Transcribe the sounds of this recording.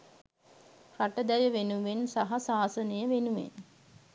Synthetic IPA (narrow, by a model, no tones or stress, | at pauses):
raʈəd̪æjəʋenuʋensaɦasaːsənəjəʋenuʋḛn